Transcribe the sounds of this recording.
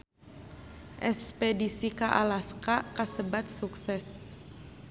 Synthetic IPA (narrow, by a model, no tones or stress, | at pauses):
ʔɛspedisikaʔalaskakasəbat̪̚suksɛs